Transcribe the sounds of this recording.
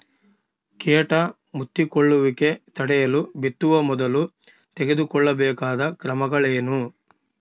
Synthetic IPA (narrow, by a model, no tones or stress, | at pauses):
keːʈɐ | mut̪ːikɔɭːuʋike̞t̪ɐɽɛjɐlubit̪ːuʋɐmɔd̪ɐlu | t̪eɡe̞d̪ukɔɭːɐbɛːkaːd̪ɐkɾɐmɐɡɐɭeːnu